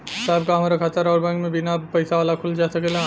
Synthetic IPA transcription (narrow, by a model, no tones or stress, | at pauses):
ɪsaːb̚kaɦɐmaːɾakʰaːt̪aɾɔːɾbɛ̃ŋkmẽbɪnapɐɪsaʋaːlakʰʊld͡ʒaːsɐkela